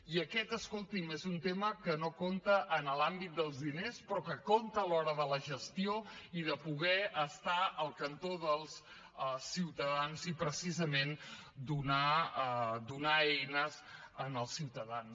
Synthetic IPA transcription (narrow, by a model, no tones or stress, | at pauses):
iəkɛt̪əskolˠt̪imezunt̪eməkənokont̪əʔːnəlambit̪̚d̪əlˠzðinespɾɔkəkont̪əːlɔɾəðələʒəst̪ioiðəpuɣ̞ɛəst̪aəlˠkənt̪oðəlˠs | əsiwt̪əðanzipɾəsizəmend̪una | d̪unaɛjnəzənəlˠsiwt̪əðans